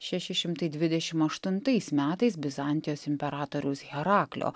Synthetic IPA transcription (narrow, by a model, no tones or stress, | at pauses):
ʃʲɛʃʲɪʃʲɪmt̪ɐɪd̪ʲʋʲɪd̪ʲɛʃʲɪmɐʃt̪ʊnt̪ɐɪsmʲæːt̪ɐɪsbʲɪzɑˑnʲt̪ʲɪjoːsɪmʲpʲɛɾɑːt̪oːɾʲɛʊsɣʲɛɾɑːklʲo̰ː